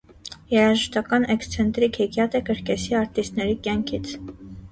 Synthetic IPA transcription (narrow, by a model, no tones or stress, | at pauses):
jɛɾɑʒəʃt̪ɑkɑnɛkst͡sʰɛnt̪ɾikʰhɛɡjɑt̪əkəɾkɛsiɑɾt̪ist̪nɛɾikjɑŋkʰit͡sʰ